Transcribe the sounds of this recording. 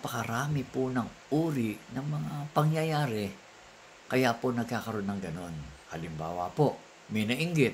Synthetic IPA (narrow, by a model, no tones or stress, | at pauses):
pɐkɐɾaːmɪpunɐŋʔuːɾɪʔnɐŋmɐŋapɐŋjɐjaːɾɛ | kɐjaponɐɡ̚kakɐɾo̞nːɐŋɡɐno̞nhɐlɪmba̰ːwɐpo | mɛnɐʔɪŋɡɪt̪